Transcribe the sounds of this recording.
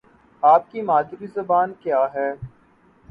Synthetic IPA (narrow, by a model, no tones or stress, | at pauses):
aːp̚kimaːd̪ɾizɐbaːnkjaːɦɛː